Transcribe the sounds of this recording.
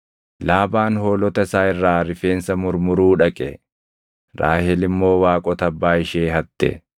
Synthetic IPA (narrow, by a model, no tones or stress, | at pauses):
laːbaːnho̞ːlɔt̪ɐɪsaːɪrːaːɾɪfe̞ːnsɐmʊɾmʊɾuːᶑɐkʼɛ | ɾa̰ːhɛlɪmːo̞ːwaːkʼɔt̪ɐbːaːɪʃeːɦɐt̪ːɛ̰